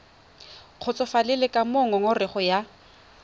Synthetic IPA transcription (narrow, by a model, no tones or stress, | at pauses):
q͡χʰʊt͡sʼɔfalɪlɪkʼamʊŋɔŋʊrɪχɔja